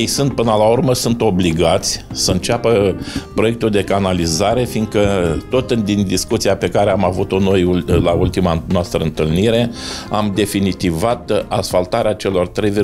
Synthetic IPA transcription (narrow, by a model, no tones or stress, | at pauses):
jejsunt̪̚pɨnəlaurməsunt̪o̞bliɡat̪sʲsəɨnt͡ʃeapəpɾo̞je̞k̚t̪uld̪e̞kanalizaɾe̞fiŋɡkət̪o̞t̪nd̪ind̪iskut̪sijape̞kaɾe̞amavut̪o̞no̞julault̪imanoast̪ɾəɨnt̪ɨlniɾe̞amd̪e̞finit̪ivat̪asfalt̪aɾeat͡ʃe̞lo̞rt̪ɾe̞jvi